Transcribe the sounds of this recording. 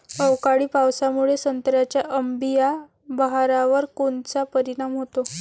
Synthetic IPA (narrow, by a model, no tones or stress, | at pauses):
əwkaɽiːpawsamuɭesənt̪ɾjat͡ɕjaʔəmbija | bəɦaɾaʋəɾkont͡sapəɾiɽ̃amɦot̪o